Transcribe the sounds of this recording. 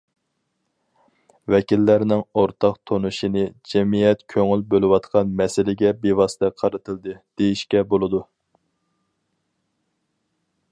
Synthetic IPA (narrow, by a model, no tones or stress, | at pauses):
vɛkʲilːæɾnɪŋoɾt̪ʰɑqt̪ʰonuʃinɨd͡ʒɛmijɛt̪kʲʰøŋylbølˠɨwɑt̪qʰɑnmɛsɪlɪɡʲɛbewɑsɨt̪ʰɛqʰɑɾɨt̪ʰɨlˠd̪ɨd̪̥ejiʃkʲɛbolˠɨd̪u